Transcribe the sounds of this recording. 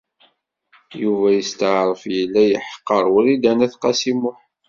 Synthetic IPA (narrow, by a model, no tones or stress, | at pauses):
juvæjəst̪əʕɾˤəfjəlːæjəħqːəɾˤwʊɾid̪ænæθqɑsimʊħ